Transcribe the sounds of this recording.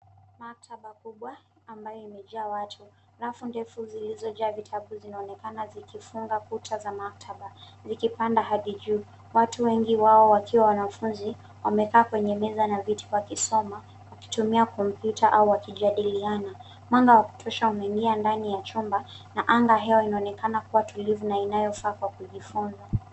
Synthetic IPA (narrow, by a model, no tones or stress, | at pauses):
mak̚tʰaɓakuɓwaː | mbajɔimɛʄaːwatʰuhalafundɛfuzilizɔʄaːvitʰaɓuzinaɔnɛkanazikifuŋɡakutʰazamak̚tʰaɓa | zikipandaɦaɗiʄuː | watuwɛŋɡiwaɔwakiwawanafunzi | wamɛkaːkwɛɲɛmɛzanavitʰi̥wakisɔma | waki̥tumiakɔm̩pjutʰaʔauwakiʄaɗiliana | mwaŋɡawaku̥tʰɔʃaumɛiŋɡiandanijat͡ʃumba | naʔaŋɡaɦɛwainaɔnɛkanakuwatulivunainajɔfaːkwakuʄifunza